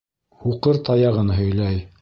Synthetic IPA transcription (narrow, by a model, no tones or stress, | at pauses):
huqɤɾt̪ɑjɑʁɤnɦɵ̆jlæj